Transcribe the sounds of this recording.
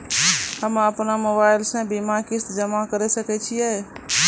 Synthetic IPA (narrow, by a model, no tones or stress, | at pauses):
həməpnamobaɪlsãbimakɪst̪d͡ʒəmakəɾɛsəkɛt͡ʃʰiɛ